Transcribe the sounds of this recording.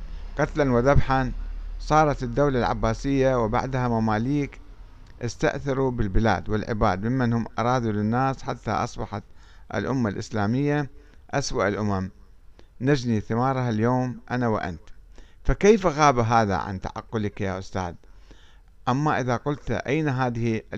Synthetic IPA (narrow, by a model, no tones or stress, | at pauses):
qɑt̪lanwɪðabħansˤɑːɾˤɑt̪ɪd̪ːawlalʕa̰bːaːsɪjːawɪba̰ʕd̪hamamaːliːk | ʔɪst̪a̰ʔθɑɾubɪlbɪla̰ːd̪wɪlʕɪ̰baːd̪mɪmːanhʊmːʔɑ̰ɾˤɑːd̪ulɪnːaːsħat̪ːa̰ʔɑsˤbɑħat̪ʔɪ̰lʔʊmːalʔɪslaːmɪjːaʔaswaʔɪlʔʊmam | nad͡ʒniθɪmɑːɾˤɦaljoːmʔanawɪ̰ʔa̰nt̪fakejfɣaːbaɦaːða̰ʕa̰nt̪a̰ʕɑ̰qːʊlɪkjaːʔʊst̪a̰ːd̪ | ʔamːaʔɪðaqʊlt̪ʔa̰jnaɦaːðɪhi